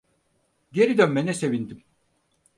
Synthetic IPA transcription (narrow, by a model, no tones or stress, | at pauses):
ɟeɾid̪ønmenɛse̞vind̪im